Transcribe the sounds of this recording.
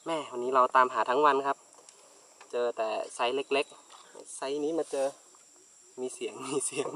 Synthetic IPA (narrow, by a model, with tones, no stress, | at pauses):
mɛ˧˩wa˧˨nːiː˦˥la˧wt̪aː˨mɦaː˨˩˦t̪ʰa˧˦˥ŋwa˧nkʰa˦˧˥p̚ | t͡ɕɤː˧t̪ɛː˨˩sa˨˥jle˧˥k̚le˦˧˥k̚sa˧˥jniː˦˥maː˧t͡ɕɤː˧ | miː˧˥si˨˩˦əŋmiː˧˥si˨˩˦əŋ